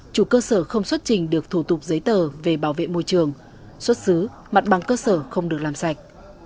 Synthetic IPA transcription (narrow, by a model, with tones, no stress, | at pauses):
t͡ɕu˧˩kəː˧səː˧˩xə˧wŋ͡mswə˦˥t̚t͡ɕï˨˩ŋ̟ɗɨ˨˩ək̚t̪ʰu˧˩t̪ʊ˨˩k͡p̚zə˨˦jt̪əː˨˩ve˨˩ɓaː˧˩wvḛ˧˨mo˧jt͡ɕɨ˨˩əŋ | swə˦˥t̚sɨ˨˦ | ma˨˩t̚ɓa˨˩˦ŋkəː˧səː˧˩xə˧wŋ͡mɗɨ˨˩ək̚laː˨˩msa˨˩jk̟̚